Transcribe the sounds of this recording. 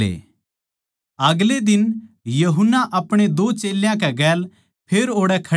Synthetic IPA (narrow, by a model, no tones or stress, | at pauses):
ḛː | ɐɡled̪ɪn | jɐɦʊnːaʔɐpɽ̃ed̪oːt͡ʃeːljãk̬ɛɡɛːl | pʰeːɾoːɽɛkʰɐ